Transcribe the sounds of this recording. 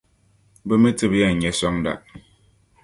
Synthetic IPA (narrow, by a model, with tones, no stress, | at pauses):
bə˦me˦tɨ˦bja˦˨ɲɛ˨˦sɔ˦ŋda̰˨ʔ